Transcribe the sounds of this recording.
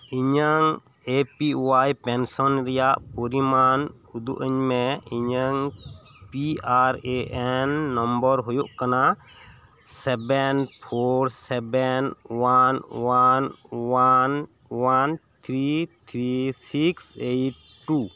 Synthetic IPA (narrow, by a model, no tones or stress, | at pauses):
iɲaŋ | epiwajpɛnsɔnɾɛjaʔpɔɾiman | ud̪ṵʔəɲmɛiɲaŋ | piaɾeʔɛnːɔmbɔɾɦujuʔkana | sɛbɛnpʰoɾsɛbɛnwanwanwan | want̪ʰɾit̪ʰɾisiksejʈ̚ːu